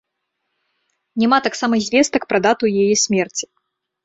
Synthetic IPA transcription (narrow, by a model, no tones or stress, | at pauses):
nʲɛmat̪aksamɐzʲvʲɛst̪ɐkpɾɐd̪at̪ujɛjɛsʲmʲɛrt͡sʲi̥